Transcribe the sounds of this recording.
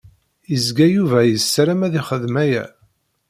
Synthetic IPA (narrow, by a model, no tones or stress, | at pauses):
jəzɡæjuvæjəsːɾæmæðiχəðmæjæ̰